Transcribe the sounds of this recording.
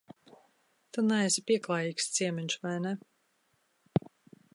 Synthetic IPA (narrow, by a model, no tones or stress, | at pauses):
t̪unɛɛsʲipiɛklˠaːjiːkst̪siɛmɛɲʲʃvajnɛ